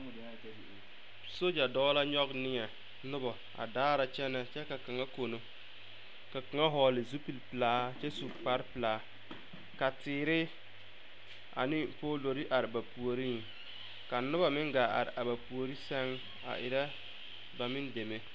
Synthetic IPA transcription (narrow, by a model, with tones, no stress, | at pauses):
so˦d͡ʒa˨dɔː˦la˦ɲɔ˦ɡnɪ˦ŋɛ˨ | nʊ˦bɔ˨ | a̰˨daː˦ɾa˨t͡ʃɛ˦nɛ˨t͡ʃɛ˦ka˨ka˨ŋa˦ko˨no˨ | ka˨ka˨ŋa˦ɦɔː˨lɪ˨zu˦pi˦˨lpɨ˨laː˦t͡ʃɛ˦su˨k͡pa˦ɾpɨ˨laː˨˦ | ka˨tɪː˨ɾɪ˦ | a̰˨nɪ˦poː˦lo˨ɾi˦ʔa˨ɾɪ˨ba˨pu˨o˨ɾi˦ŋ˨ | ka˨nʊ˦ba˨mɪ˦ŋɡa˨a̰˨ɾɪ̰˨a˨ba˨pu˨o˨ɾi˦sɛ˦ŋ | a̰˨ʔɪ̰˨ɾɛ˦ | ba˨mɪ˦nde˨me˦